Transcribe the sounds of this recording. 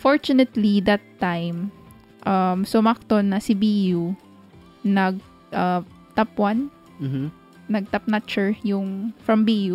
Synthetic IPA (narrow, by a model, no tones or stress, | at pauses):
foɹt͡ʃʊnɛt̪lid̪ɐt̪ːajm | ʔɐmsʊmɐk̚t̪onːɐsɪbiju | nɐɡ̚ | ʔɐ | t̪apwɐn̩ | nɐɡ̚t̪ɐp̚nat͡ʃɛɹjʊŋfɹɐmbiju